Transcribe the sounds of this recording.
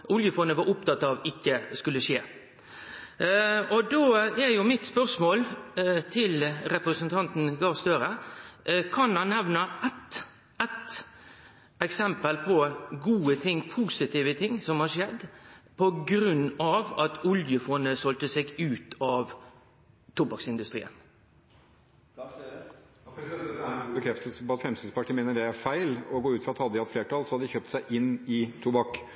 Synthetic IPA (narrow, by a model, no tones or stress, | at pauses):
ʔʊljəfoːnəʋɑɾʊp̚t̪ʰɑt̪ːɑʋɪkːəskʉlːəʂeː | ɔd̪oːɛɾjʊmɪt̪spœɾsmoːlt̪ʰɪlɾɛpɾəsənt̪ʰɑnt̪n̩ɡɑst̪øɾə | kʰɑnhɑnːɛʋnəɛt̪ | ɛt̪ | ɛksɛmpəlpʰɔɡuːət̪ʰɪŋːpʰuːsɪt̪ʰiːʋət̪ʰɪŋːsɔmhɑɾʂɛd̪ːpʰɔɡɾʉnːɑʋɑt̪ʰɔljəfɔnəsɔlt̪əsɛɡʉːt̪ʰɑʋ | t̪ʰʊbɑksɪnd̪ʉst̪ɾḭːə̰n | ɡuːbəkʰɾɛft̪əlsəpɔɑt̪fɾɛmsɪsəpɑʈʰiːmeːnəɖɛæɾfæɪlɔɡoːʉːt̪fɾɑt̪hɑd̪əɪhɑt̪fleːʈɑlsɔhɑd̪əd̪ɪçøːp̚t̪sæɪʔɪnːɪt̪ʰuːbɑk